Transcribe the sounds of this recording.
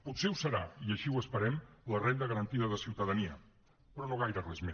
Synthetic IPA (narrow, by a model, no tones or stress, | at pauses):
put̪seusəɾa̰iəʃiwəspəɾɛmlərend̪əɣəɾənt̪iðəðəsiwt̪əðəniə | pɾɔnoɣ̞ajɾərɛzme